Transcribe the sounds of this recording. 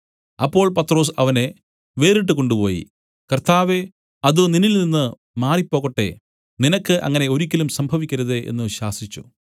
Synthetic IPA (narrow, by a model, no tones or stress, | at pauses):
ɐpːo̞ːɭpɐt̪ro̞ːs̬ɐʋɐne̞ | ʋe̞ːriʈ̬ːɨko̞ɳɖupo̞̰ːjḭ | kɐrt̪ʰaːʋe | ɐðɨninilninːɨ | maːripːo̞ːɣɐʈːe̞̰ | ninɐkːɨʔɐ̰ŋːɐne̞o̞ɾikʲːɐlumsɐmbʱɐʋikʲːɐɾɐðeʔḛnːɨɕaːsit͡ɕːṵ